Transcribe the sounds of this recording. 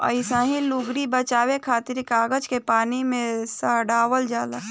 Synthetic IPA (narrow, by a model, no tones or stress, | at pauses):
ə̰ɪsãːɦĩluɡɾibət͡ʃaːwekʰaːt̪ɪɾkaːɡəd͡ʒkepaːnimẽsaɖaːwəld͡ʒaːd̪a